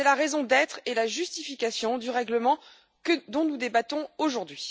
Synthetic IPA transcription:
ɛlaʁɛzɔ̃d̪ɛt̪χelaʒyst̪ifikʲasjɔ̃d̪yʁɛɡləmɑ̃ | kəd̪ɔ̃nud̪ebat̪ɔ̃oʒuʁd̪ɥi

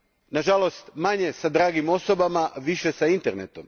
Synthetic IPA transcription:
naʒalo̞st̪maɲe̞sad̪ɾaːɡimo̞sobamaʋiʃe̞saint̪eɾnet̪o̞m

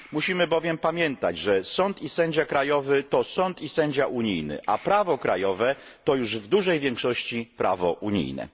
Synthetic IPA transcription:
muɕimɘbɔvʲjɛmpamʲjɛnt̪a̰d͡ʑʐɛsɔnt̪isɛɲd͡ʑakɾajɔvɘt̪ɔsɔnt̪isɛɲd͡ʑaʔuɲijnɘ̰ʔapɾavɔkɾajɔvɛ | t̪ɔjuʐvd̪uʐɛjvʲjɛŋkʂɔɕt͡ɕipɾʔa̰vɔʔuɲḭjnɛ̰

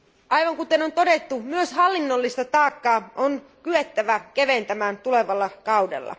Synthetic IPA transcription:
ʔɑjʋɑŋkut̪enont̪o̞det̪ːumyøshɑlːinːolːist̪ɑt̪ɑːkːɑːʔon | kyet̪ːæʋækeʋent̪æmæːnt̪uleʋɑlːɑkɑwdḛlːɑ̰

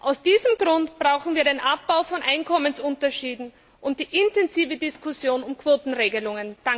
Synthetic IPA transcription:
ʔaʊsd̥iːzəmɡʁʊntb̥ʁaʊxn̩viːɐɾeːnʔap̚b̥aʊfɔnʔaɪnkʰɔmənsʊntɐʃiːdn̩ | ʔʊnt̚d̥iːʔɪntɛnziːvədɪskʰʊsjoːnʊmkv̥oːtn̩ʁeːɡəlʊŋənd̥a

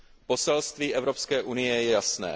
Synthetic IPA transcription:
po̞sɛlst̪viːʔɛvɾopskɛːʔunɪjɛjɛasnɛ̰ː

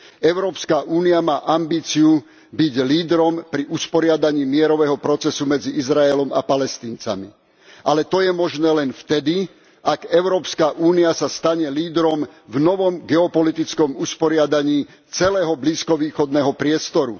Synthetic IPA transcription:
ɛʊɾɔːpskaʔuːniamaːʔambiːt͡siu | biɟliːd̪ɾɔmpɾiʔuspɔɾɪad̪aɲiːmɪɛɾɔʋɛɦɔpɾɔt͡sɛsumɛd͡ziizɾaɛlɔma̰palɛst̪iːnt͡sa̰mḭ | ʔalɛt̪ɔjɛmɔʒnɛːlɛnft̪ɛd̪i | aɡɛʊɾɔːpskaʔuːniasast̪aɲɛliːd̪ɾɔmvnɔʋɔmɡɛɔpɔlit̪it͡skɔmuspɔɾɪad̪aɲiː | t͡sɛlɛːɦɔbliːskɔʋiːxɔd̪nɛɦɔpɾɪɛst̪ɔɾṵ

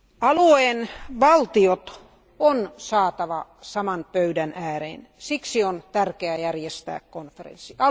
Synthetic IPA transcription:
ɑlueːnʋɑlt̪iot̪ | onsɑːt̪ɑʋɑ | sɑmɑnpøydænæːrḛːn | siksiont̪ærkeæjærjest̪æ̰ːkkonferḛnsːiɑ

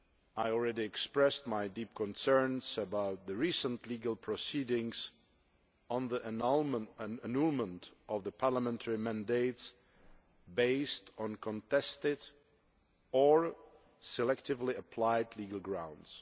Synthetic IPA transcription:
aɪɔl̩ˠɹɛɾiɛkspɹɛst̚maɪdip̚kʰɔ̃nsɜ̃˞nzəbaʊt̪̚ðɨɹisə̃nliɡəl̩ˠpʰɹ̥ɔsidɪ̃ŋz̥ | ə̃nði | ənulˠmə̃ntʌvðəpʰɑɹləmɛ̃ntʰəɹimæ̃ndeɪts | beɪstn̩kʰɔ̃ntʰɛstɪd | ə˞ | sɨlɛk̚tɨvliəpʰl̥aɪdˡliɡəl̩ˠɡɹãʊ̃ndz̥

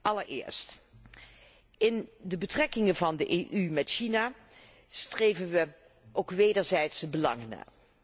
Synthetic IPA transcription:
ʔɑləɹɪ̰ːɹst | ɪndəbətrɛkɪŋənvɑndəʔeːʔymɛtʃinaː | strejvənʋə | ʔowkʋejdəɹzɛjtsəbəlɑ̰ŋəna̰ː

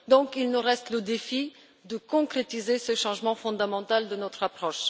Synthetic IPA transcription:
d̪ɔ̃kilnuʁɛst̪ləd̪efi | d̪əkɔ̃kχet̪izesəʃɑ̃ʒmɑ̃fɔ̃d̪amɑ̃t̪ald̪ənɔt̪χapχɔʃ

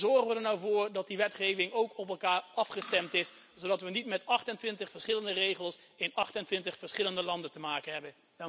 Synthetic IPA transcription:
zɔɹχəʋədəɹnawvʊːɹdɑt̚diʋɛtχejvɪŋowkɔpɛlˠkaːɹɑfχəstɛmtɪs | sodɑtʋənitmɛtɑχtəntʋɪntəχfəɹsχɪləndərejχəlˠs | ɪnɑχtəntʋɪntəχfəɹsχɪləndəlɑndəntəmaːkənɦɛbən

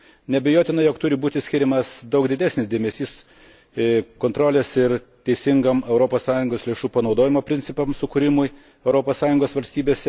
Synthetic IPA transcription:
nʲɛbʲɛjoːt̪ʲɪnɐjoːkt̪ʊɾʲɪbuːt̪ʲɪsʲkʲɪɾʲɪmɐsd̪ɐʊkd̪ʲɪd̪ʲæːsnʲɪsd̪ʲeːmʲesʲiːs | koːnt̪ɾoːlʲeːsɪɾ | t̪ʲɛɪsʲɪŋɡɐmɛʊɾoːpoːssɑːjʊŋɡoːslʲeːʃuːpɐnɒʊd̪oːjʲɪmoːpʲɾʲɪnʲtsʲɪpɐmsʊkʊɾʲɪmʊj | ɛʊɾoːpoːssɑːjʊŋɡoːsʋɐlʲsʲt̪ʲiːbʲeːsʲɛ

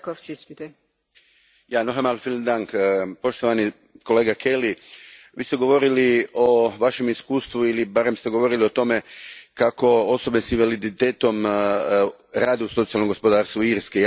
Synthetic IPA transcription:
kot͡ʃispit̪ɛ | janoɦamalfilmd̪aŋkpo̞ʃt̪o̞ʋani | ko̞leːɡakʰeliʋiːst̪e̞ɡo̞ʋo̞ɾilio̞ʋaʃe̞miskuːst̪ʋuilibaɾe̞mst̪e̞ɡo̞ʋo̞ɾiliot̪o̞me̞kako̞oso̞besinʋalid̪it̪eːt̪o̞m | ɾaːd̪euso̞t̪sijalnoɡo̞spod̪aːɾst̪ʋuiɾske

